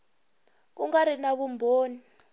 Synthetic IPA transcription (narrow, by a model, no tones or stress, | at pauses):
uŋaɾinaβumbʱoːni